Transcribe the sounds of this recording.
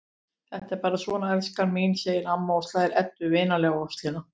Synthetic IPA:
θɛht̪ɛɾpaːɾasvɔːnaɛlskanmiːnseːjɪnamːaɔst̪laːðɪɾʔɛt̪ːʏvɪːnalɛːɣaɔst̪lɪna

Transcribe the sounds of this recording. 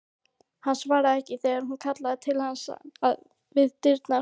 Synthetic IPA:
hansvaːɾaðɛhcɪθɛɣaɾhunkʰat̪laðɪt̪ʰɪlhansa̰a̰ð | vɪðt̪ɪɾt̪na

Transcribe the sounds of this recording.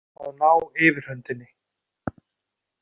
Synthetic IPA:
aðnaːwɪːvɪɾ̥œnt̪ɪnːɪ

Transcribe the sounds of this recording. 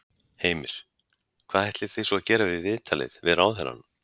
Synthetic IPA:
heːjmɪɾ̥ | kʰvaːðhɛht̪lɪ̥θejsɔaðcɛːɾavɪðvɪːðt̪ʰalɪ̰ðvɪðɾawðɛla̰n

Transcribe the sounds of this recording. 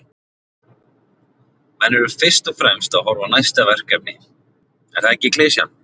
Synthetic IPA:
mɛnːɛɾʏfɪr̥st̪ɔfɾɛmst̪aðɦɔɾvanajst̪avɛr̥kɛp̚nɪ | ɛ̰nθaðɛcːɪkleːsja̰n

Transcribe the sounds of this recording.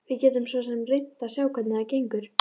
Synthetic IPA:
vɪðcɛːt̪ʏmsvɔsɛmrejt̪ːasjawkʰat̪nɪacejŋkʏɾ̥

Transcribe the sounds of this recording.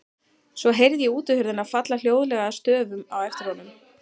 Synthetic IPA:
svɔɦejɾðjɛuːt̪ʏhʏɾðɪnaðfat̪lal̥joːwðʏlɛɣast̪œːvʏmawɛft̪ɪɾ̥hɔnʏm

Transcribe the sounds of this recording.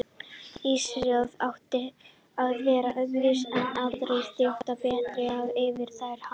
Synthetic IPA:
isɾjalðawht̪ɪ | aðvɛːɾaʔœɣvɪsɛnːaɾðɾejst̪ɪht̪apɛːt̪ɾɪavɪvɪɾ̥θaːjɾ̥ha

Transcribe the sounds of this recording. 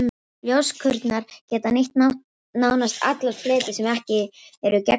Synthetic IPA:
ljowskʰʏɾt̪naɾ̥cɛːt̪anɪht̪na | naːwnast̪ʰa̰t̪lavfleːt̪ɪsɛmɛhcɪɛɾʏcɛ

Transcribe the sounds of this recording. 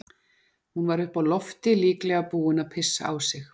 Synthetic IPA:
hunvaɾʏhpawlɔft̪ɪliːklɛɣapuːʏnapʰɪsːa̰a̰wsɪx

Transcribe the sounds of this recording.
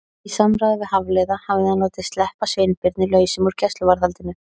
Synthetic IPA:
isamɾaːðɪvɪðɦavlɛːðahaːvɪðanoːwt̪ɪst̪lɛhpasveːjnpɪɾt̪nɪlœːɥsɪmuɾ̥cʰɛst̪lʏvaɾðalt̪ɪnːʏ

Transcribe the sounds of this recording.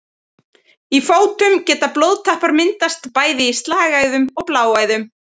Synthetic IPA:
ifoːwt̪ʏmcɛːt̪aplowðt̪ʰahpaɾmɪnt̪ast̪paːjðɪist̪laːɣaɣðʏmɔɣplaːwaːjðʏm

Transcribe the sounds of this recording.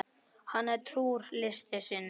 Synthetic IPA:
hanːɛɾt̪ʰɾuːɾlɪst̪ɪsɪn

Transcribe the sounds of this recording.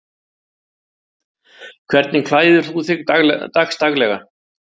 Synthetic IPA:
kʰv̥ɛɾt̪nɪkʰlaːjðʏɾ̥θuθɪɣt̪axst̪aɣlɛɣa̰

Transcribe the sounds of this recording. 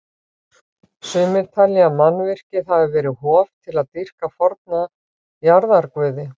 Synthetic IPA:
sʏːmɪɾt̪ʰalɛamanːvɪr̥cɪðavɪvɛːɾɪhɔːvt̪ʰɪlaðt̪ir̥kafɔɾt̪̚na | jaɾðaɾkvʏːðɪ

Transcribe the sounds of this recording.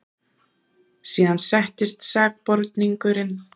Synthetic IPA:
siːðansɛht̪ɪst̪saːk̚pɔɾt̪niŋkʏɾɪn

